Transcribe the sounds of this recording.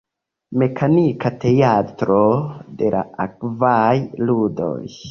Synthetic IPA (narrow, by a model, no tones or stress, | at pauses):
me̞kʰanikate̞atɾo̞de̞la̰akvajludo̞̰j